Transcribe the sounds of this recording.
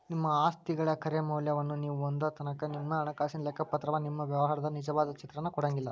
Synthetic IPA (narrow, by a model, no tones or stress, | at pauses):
nimːɐaːst̪iɡɐɭɐkʰɐɾemɐwljɐʋɐnːuniːʋuond̪ɐt̪ɐnɐkɐnimːɐːɳɐkaːsinɐlɛkːɐpɐt̪ɾɐʋɐnimːɐʋjɐʋɐɦɐɾɐd̪ɐnid͡ʒɐʋaːd̪ɐt͡ʃit̪ɾɐnːɐkɔɽɐŋɡilːɐ